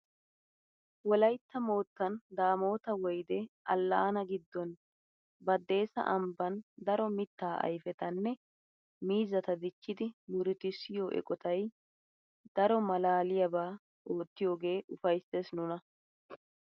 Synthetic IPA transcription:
wɔlɐjt̪ːɐmo̞ːt̪ːɐnd̪aːmo̞ːt̪ɐwɔjd̪ɛʔɐlːɐːnɐɡɪd̪ːɔn | bɐd̪ːe̞ːsɐ̰ʔɐmbɐnd̪ɐɾɔmɪt̪ːaːʔɐ̰jfɛt̪ɐnːɛ | miːzɐt̪ɐd̪ɪt͡ʃːɪd̪ɪmʊɾɪt̪ɪsːɪjoːʔɛ̰kʼɔt̪ɐj | d̪̥ɐɾɔmɐlaːlɪjɐbaː | ʔo̞ːt̪ːɪjo̞ːɡe̞ːʔʊfɐjsːesnʊnɐ

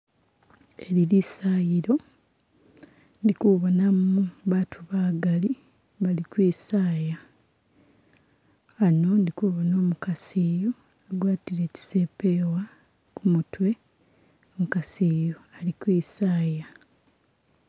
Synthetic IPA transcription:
e̞lilisaːjiɾo̞ | ndikuβonamuβaːtʰuβaːɡali | βalikwiːsaːja | no̞ndikuβono̞ːmukaseːjo | aɡwaːtiɾe̞ːci̥seːpewa | kumutwe̞ | omukaseːjoalikwiːsaːja

